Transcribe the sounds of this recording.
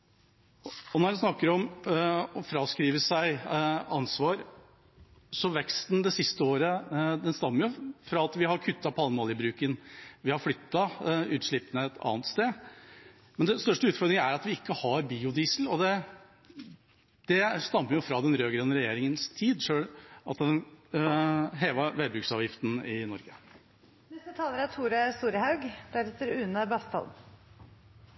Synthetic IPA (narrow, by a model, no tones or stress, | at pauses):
ɔnɔɾɛnsnɑkːəɾɔm | ɔfɾɑːskɾiːʋəʂæɪɑnsʋɑːɾ | sɔʋɛkst̪nd̪ɛsɪst̪əoːɾəd̪ɛnst̪ɑmːəɾjʊfɾɑɑt̪ʋɪhɑɾkʰʉt̪ʰːɑpʰɑlmoːljəbɾʉːkənʋɪhɑɾflʏt̪ːɑʉːt̪ʂɭɪpːənəɛt̪ʰɑ̰ːnət̪st̪eː | mɛnd̪ɛst̪œʂʈəʉːt̪fɔɾd̪ɾɪŋəæɾɑt̪ʋɪɪkːəhɑɾbiːʊd̪iːsəlɔd̪ɛ | d̪̥ɛst̪ɑmːəɾjʊfɾɑd̪ɛnɾøːɡɾɛnːəɾɛjeːɾɪŋənst̪ʰiːd̪ʂøːɽʔɑ̰t̪d̪ɛn | ɦeːʋɑʋɛːd̪bɾʉksɑːʋjɪft̪nɪnɔɾɡə | nɛst̪ət̪ʰɑːlˠəɾæt̪ʰuːɾəst̪uːɾəhɑʉɡd̪̥æɾɛt̪ːəɾʉːnəbɑst̪ɑ̰l